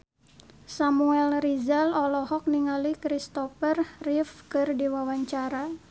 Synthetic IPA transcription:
samuɛlrizalɔlɔhɔk̚niŋalikɾist̪ɔfərrifkɨrdiwawaɲt͡ʃaɾa

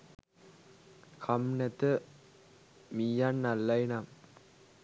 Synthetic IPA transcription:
kʰɐmnɐt̪ːɯ | mijaːnnɐlːɐjnam

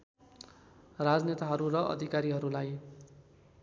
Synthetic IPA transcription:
rad͡znet̪aɦʌɾurʌʔʌ̰d̪ʱikaɾiɦʌɾulaj

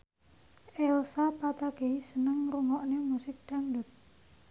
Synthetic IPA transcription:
ʔɛlsapat̪aɡ̥eisənəŋɾuŋɔʔnemusɪk̚d̪̥aŋdut̪̚

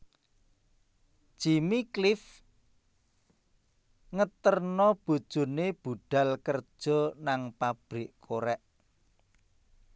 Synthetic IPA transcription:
ʒ̥imiklɪf | ŋət̪ərnɔb̥ṳd̥ʒ̥ṳneb̥uɖ̥a̤lkərd̥ʒ̥ɔ̤naŋpab̥ɾɪʔkʰoɾɛʔ

